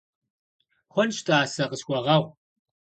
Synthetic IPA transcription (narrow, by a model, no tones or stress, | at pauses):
χʷɔnʃtʰaːsɐqəɕxʷɔʁɐʁʷ